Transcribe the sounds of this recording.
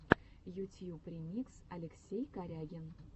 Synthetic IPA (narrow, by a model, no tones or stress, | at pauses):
jutʲijuprʲimʲiksalʲeksʲejkaɾʲaɡʲen